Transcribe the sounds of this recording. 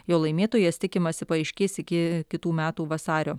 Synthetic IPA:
joːlˠɐɪmʲeːt̪oːjɛsʲt̪ʲɪkʲɪmɐsʲɪpɐɐɪʃʲkʲeːsʲɪkʲɪkʲɪt̪uːmʲæːt̪uːʋɐsɑːɾʲoː

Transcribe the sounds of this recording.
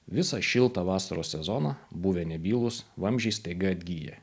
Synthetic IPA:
ʋʲɪsɑʃʲɪlˠt̪ɑʋɑːsɐɾoːsʲsʲɛzɔnɑbuːʋʲɛnʲɛbʲiːlˠʊsʋɐmʲʒʲɛɪst̪ʲeɡɐɐd̪ʲɡʲiːjɛ̰

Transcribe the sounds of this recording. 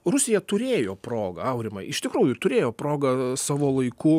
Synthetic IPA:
rʊsʲɪjɛt̪ʊɾʲeːjoːpɾoːɡɐ̰ɐʊɾʲɪmɐɪɪʃt̪ʲɪkɾuːjʊt̪ʊɾʲeːjoːpɾoːɡɐsɑːʋoːlˠɐɪkʊ

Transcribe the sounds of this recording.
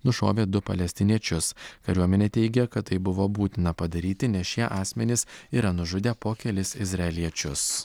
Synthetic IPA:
nʊʃo̰ːʋʲeːd̪ʊpɐ̰lʲɛsʲt̪ʲɪnʲiɛt͡ʃʲʊskɐɾʲuɔmʲɛnʲɛːt̪ʲɛɪɡʲɛkɐt̪t̪ːɐɪbʊʋoːbuːt̪ʲɪnɐpɐd̪ɐɾʲiːt̪ʲɪnʲɛsʃiɛʔɑːsʲmʲɛnʲɪsiːɾɐnʊʒʊd̪ʲeːpoːkʲɛlʲɪsɪzɾɐɛlʲiɛt͡ʃʲʊs

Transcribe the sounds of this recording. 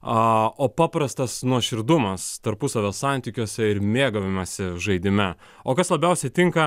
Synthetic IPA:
ɐoːpɑːpɾɐst̪ɐsnuɔʃʲɪɾd̪ʊmɐst̪ɐɾpʊsɐʋʲoːssɑnʲt̪ʲiːkʲuɔsʲɛɪɾmʲeːɡɐʋʲɪmɐsʲɪʒɐɪd̪ʲɪmʲɛ | oːkɐslˠɐbʲɛʊsʲɛt̪ʲɪŋkɐ

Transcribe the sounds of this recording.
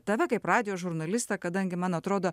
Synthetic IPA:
t̪ɐʋʲɛkɐɪprɑːd̪ʲɪjoːʒʊɾnɐlʲɪst̪ɐkɐd̪ɐŋʲɡʲɪmɐnɐt̪ɾoːd̪oː

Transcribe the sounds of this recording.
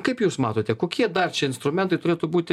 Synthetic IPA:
kɐɪpjuːsmɑːt̪oːt̪ʲɛkoːkʲiɛd̪ɐrt͡ʃʲɛɪnst̪ɾʊmʲɛnt̪ɐɪt̪ʊɾʲeːt̪ʊbuːt̪ʲɪ

